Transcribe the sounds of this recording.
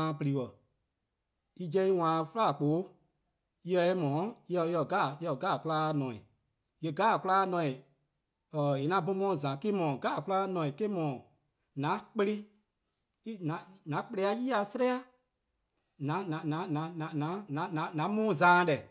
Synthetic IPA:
pɨ˨ɾi˨wə˨ | i˦d͡ʒɛ˧˦i˦wãː˨˦˨fə˦la˦˨k͡poː˨˦ | jɛ˧ɛ˦mɔ̃ː˨˦ɛ˧˦jɔ˧˨ɡa˦˨jɔ˧˨ɡaː˦˨ku˦laː˦nɔ̃˨ḭ̃˨ | je˧˨ɡaː˦˨ku˦laː˦nɔ̃˨˧˨ĩ˨ | ə˨e˨nã˧˦bo˧˦mɔ̃ː˦˨zã˨ke˦mɔ̃ː˨ɡaː˦˨ku˦laː˦nɔ̃˧˨ĩ˨ke˦mɔ̃ː˨ | nã˨˦k͡pə˧ɾi˦ | i˦nã˨nã˨˦k͡pe˧le˧a˧˦jiː˦a˧sə˦ɾɛ˦a˦ | nã˨˦nã˨nã˨˦nã˨˦nã˨nã˨˦nã˨˦ã˨˦nã˨˦mũː˦˨zãː˨˦˨dɛ˨

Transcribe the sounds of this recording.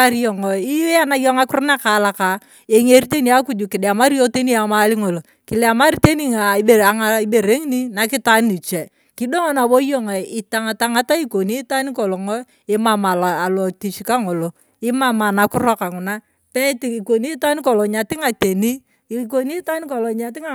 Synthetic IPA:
a˦ɾjɔ˨ŋɔ˨i˦a˦na˦jɔ˦ŋa˦kʊ˦ɾna˦ka˨˦la˨ka˨ | e˨ŋe˦ɾi˦t̬e˦ni˦a˦ku˨˦d͡ʒu˨kɪ˨da˨ma˦ɾijo˦te˦ni˦a˨ma˦li˦ŋo˨lo˨ | kɪ˨la˨ma˦ɾi˦te˦ni˦ŋa˨e˨a˨ŋai˦be˨ɾe˦ŋi˦ni˦na˨kɪ˦ta˦nni˨t͡ʃɛ˨ | kɪ˦do˦ŋɔ˦na˨bo˦jo˦ŋa˨ɪ˨ta˦ŋa˨ta˨ŋa˦ta˦i˦ko˨ni˦ta˦ni˦ko˨lɔ˨ŋɔ˦ | ɪ˦ma˨ma˨la˨lɔ˨ti˨t͡ʃi˦ka˦ŋo˨lo˨ | ɪ˦ma˦ma˨na˨kʊ˦ɾɔ˦ka˨ŋʊ˨na˦ | pɛ˦ti˨i˨ko˨ni˦ta˦ni˦ko˨lɔ˨ɲa˨tɪ˦ŋa˨te˨ni˦ | iko˦ni˦ta˦ni˦ko˨lɔ˨ɲa˨tɪ˦ŋa˨

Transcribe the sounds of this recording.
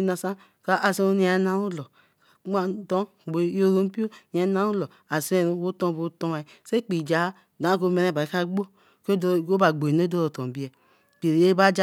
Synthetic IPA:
na˨sa˦ | ka˦ʔa˨se˦o˦ni˦a˨˦na˦u˦lɔ˨ | ka˨˦m˦a˨dɔ˦˨ɡ͡bo˨˦o˦ɾo˦m˦pi˦o˦ni˨a˨˦na˦u˦lɔ˨ | a˨se˦˨ɾo˦wo˦tɔ̃˦˨bo˨˦tɔ˧ma˨i˨˦se˦k͡pi˨d͡ʒa˨˦˨dã˨˦ko˧˦me˧ɾe˦˨ba˨i˨˦ka˦ɡ͡bo˦ | ko˦dko˦ba˨ɡ͡bo˨i˨no˦do˦ɾo˨tɔ̃˨bi˦ɛ˨ | k͡pi˨ɾi˨e˦ba˦d͡ʒa˦

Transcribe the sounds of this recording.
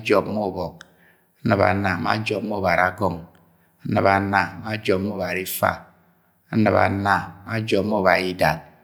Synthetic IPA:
d͡ʒɔ˨pmo˦˨bɔ˨k̚ | a˦nɨ˨ba̰˨na˨ma̰˦d͡ʒɔ˨pm˦o˦˨ba˨ɾa˦ɡɔ˦˨ŋ | a˦nɨ˨ba˨na˨ma˦d͡ʒɔ˨p̚mo˦˨ba˨ɾi˦fa̰˦˨ | a˦nɨ˨pa̰˨na˦ma˦d͡ʒɔ˨p̚m˦o˦˨ba˨i˦da˨t̚

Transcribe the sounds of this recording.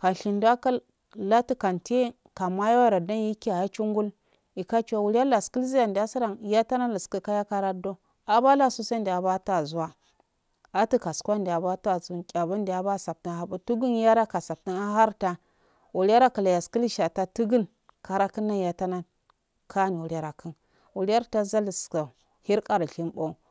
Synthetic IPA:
ka˨n˨ɬi˨ndu˦a˦ka˦ | la˦ti˦ka˨nte˦ | ka˨ma˦ja˦wa˦ɾa˨da˦n˦ji˦ki˦a˨ja˦t͡ʃu˦ŋɡu˦l | i˨ka˦t͡ʃwa˨wu˨lja˦la˨ski˦lzi˦ja˨ndi˨a˦si˦ɾa˨n˨ja˦ta˦na˦la˨ski˦ka˦ja˦ka˦ɾa˦do˦ | a˨ba˦la˦˨su˦sa˦ndi˨a˨ba˦ta˨zu˦wa˦ | a˦ti˦ka˨skʷa˦ndi˨a˨ba˦ta˨zkʲʼa˨ba˦n˦da˨ba˦˨sa˨p̚ti˦n˨a˦bu˦tu˦ɡu˦n˦ja˦ɾa˦ka˨sa˨b̚ti˦na˦ɦa˦ɾta˦ | wu˨ɾʲi˦a˦ɾa˦kə˨la˨ja˨ski˦lʃa˨ta˦tu˦ɡu˦n | ka˨ɾa˦ki˦nːa˦˨ja˨ta˦na˦ | kʰa˦ni˨wu˨ɾa˦ɾa˨kʰə˦n | wu˨ɾi˦a˦ɾta˦za˦li˨ska˨ | hi˦ɾkʼa˨ɾɬi˦mbo˦˨

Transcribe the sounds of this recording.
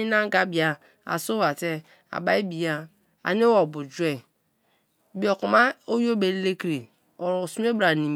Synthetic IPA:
i˦na˦ŋ˦ɡa˦bi˨a˨ | a̰˨so˦wa˨te˦ | a̰˨ba˦i˦bi˨ja˦ | a̰˨ni˦wɔ˨bu˨d͡ʒu˦e˦ | bi˨˦ɔ˨ku˨ma˦o˦jo˦be˨˦le˦kɾe˨ | ɔ˨ɾo˨su˦e˦bɾa˨ni˨m

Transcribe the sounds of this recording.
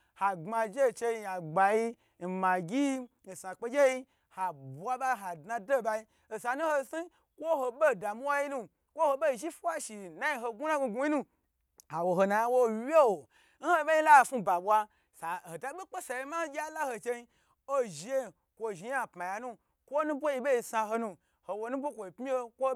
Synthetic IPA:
ha˨ɡ͡ba˧d͡ʒe˦˨t͡ʃe˧i˧ja˨ɡ͡ba˨ji˧ | n̩˨ma˨ɡʲi˦ | n̩˨sa˨k͡pe˧d͡ʒʲe˦ji˦ | ha˨bwa˦ɓa˦ɦa˨dna˧do˦ba˧i˦ | o˨sa˨nu˦ho˧si˦ | kʷo˦ho˧ɓe˦˨da˨mu˦wa˦ji˦nu˦ | kʷo˦ho˧ɓe˦˨ʒi˦fa˦ʃi˨na˦ji˧ɦo˧ɡu˦na˦ɡu˧ɡu˦i˦nu˦ | ha˨wo˨ɦo˨na˨ja˦wo˦we˦wo˨ | n̩˦ho˦be˦ji˦la˦˨fu˦˧ba˨ɓwa˧ | sa˨o˨ta˨ɓi˦k͡pe˦sa˨je˧ma˦ɡʲa˦la˦ho˧t͡ʃe˧i˧ | o˦ʒi˨je˦˨ | kʷo˧ʒi˨˦a˦˨pma˨ja˧nũ˦ | kʷo˦nũ˦bʷo˦ji˧ɓe˦i˧sa˧ɦo˧nu˧ | ho˨wo˧nũ˦bʷo˦kʷo˨i˨pmi˦e˦kʷo˦

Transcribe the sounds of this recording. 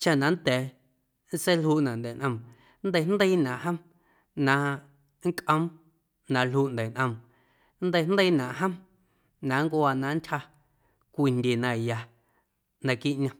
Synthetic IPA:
t͡ʃa˧˨nã˨n˦t̪ɛː˨ | n̩˦se˦lhuː˧ʔnã˨nd̪ɛ˨nʔə̃˧m | nd̪ə˧nd̪ə˦i˦nã˨ʔɦə̃˦m | nã˧ | ŋ˦kʔə̃˧˦m | nã˧lhuː˦˨ʔnd̪ə˨nʔə̃˧m | nd̪ə˧jnd̪ə˦jnã˨ʔɦə̃˦m | nã˨˦ŋkʷo˧˦a˧nã˧n˦tʲha˧ | kʷi˧˨ndʲe˨nã˧˨ja˧ | nã˧kiː˦ʔɲã˧

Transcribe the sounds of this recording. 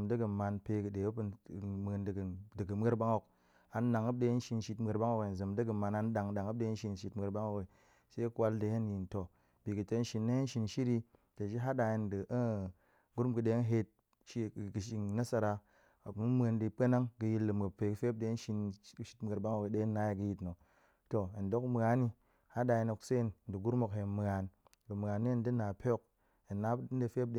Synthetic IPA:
mdə˦ɡə˨ma˧npe˧kɨ˨ɗe˨˦pmə˧ndə˨ɡə˨dɨ˨ɡɨ˨m˦e˦ɾba˦ŋo˨k | a˧nː˦a˨ŋə˦p̚de˦n̩˦ʃi˧nʃi˧tm˦e˧ɾba˦ŋo˦kwe˨zɨ˨mdə˦ɡə˨ma˨na˧n˦ɗa˨ŋ˨ɗa˨ŋə˦p̚ɗe˧˦n̩˦ʃi˧n˦ʃi˧tm˦e˧ɾba˦ŋo˦˨ke˨ | se˦kwa˧˦lde˧je˦n˦ji˨nto˨ | b̥i˨ɡɨ˨to˧˦n̩˦ʃi˧nːe˦e˦n̩˦ʃi˧nʃi˦ɾi˧ | te˨ʃi˦ɦa˦da˨je˧ndə˨ʔə˦˨ | ɡu˦ɾu˦ɡɨ˨ɗe˨˦n˦ɦe˧t̚ | ʃi˦˨ɡɨ˨ʃi˧ŋna˦sa˧ɾa˧˨ | mu˦m˦e˧ndɨ˧pe˦na˦ŋɡɨ˧ji˧tlɨ˨mɡɨ˨pe˨kɨ˦fe˦p̚de˧˦n̩˦ʃi˧n˦ʃi˦tm˦ɡə˨ɾba˦ŋa˨we˨de˦nːa˦ja˨ɡɨ˧˨ji˧tno˨ | to˨e˨n˨do˦km˨a˨˦ni˧ | ha˦da˨˧ji˧no˧˨kse˦˨nn˨dɨ˨ɡu˦ɾmo˧kɦe˧˨m˨a˨n | lɨ˨m˨a˨nːi˦n˦dɨ˦na˨pʰo˦k̚ | e˨nːa˦n̩˦de˨˧fe˦p̚de˦

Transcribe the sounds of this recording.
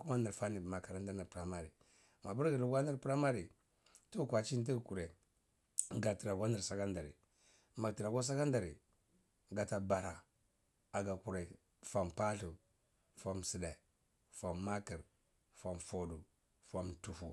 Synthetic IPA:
ku˦ma˦ni˨ɾfa˦ni˨ma˨ka˨ɾa˦n˦da˦na˨pɾa˦ma˦ɾi˨ | ma˨bu˦ɾɡi˨lu˦ɡʷa˦ni˦ɾpɾa˦ma˦ɾi˨ | tu˦kwa˨t͡ʃi˦n˦t̬i˦ɡku˨ɾe˨ | ɡa˨ti˨ɾa˨ɡʷa˦ni˨ɾsa˦ka˦nda˨ɾḭ˨ | ma˨ti˨ɾa˨ɡo˦s̬a˦ka˦nda˨ɾḭ˨ | ɡa˨ta˨ba˨ɾa˨ | a˨ɡa˨ku˨ɾe˨ | fa˨mpa˦ɬu˨ | fa˨msi˨da˨ | fa˨mːa˦ki˨ɾ | fa˨mfo˨du˨ | fa˨mtu˨fu˨

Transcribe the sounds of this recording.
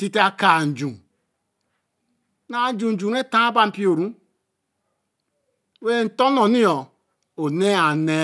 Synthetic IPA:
ti˦ti˦a˦ka˨n̩˨d͡ʒu˨ | na˦˨n̩˦d͡ʒu˨n̩˨d͡ʒu˨ne˦tã˦ba˦m̩˦pi˦o˨ɾũ˦ | we˦˨n̩˨to˦nɔ˨ni˦ɔ˨ | o˨ne˦a˨ne˦

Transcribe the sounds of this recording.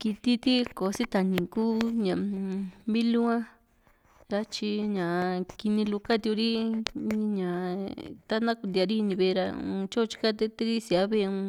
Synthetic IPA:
ki˧t̪i˧t̪i˦ko˨˧si˦t̪a˨nĩ˨kuː˦ɲã˨mĩ˦lu˦ã˦ | ɾa˧t͡ʃi˧ɲã˨ki˧nĩ˧lu˧ka˦t̪i˧u˧ɾĩ˦˧ | ɲã˨t̪a˦nã˦ku˧d̪i˧a˧ɾi˦˧nĩ˧βe˧ɾa̰˧ṵ̃˧t͡ʃo˦˧t͡ʃi̥˦ka˦t̪e˧t̪e˦ɾi˦si˧a˦βe˦˧ũ˧

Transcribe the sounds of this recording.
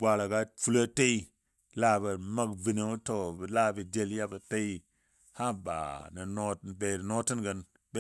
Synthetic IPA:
bʷa˨la˨ɡa˦fu˦lə˦te˦i˦ | la˦˨bə˨ma˦kvi˨ne˦u˦to˨bə˨la˦˨bə˨d͡ʒe˦lja˦bə˨te˦i˦ | ha˦ba̰˨nə˨no˦˨be˨ɾno˦ti˦nɡə˨n | be˦

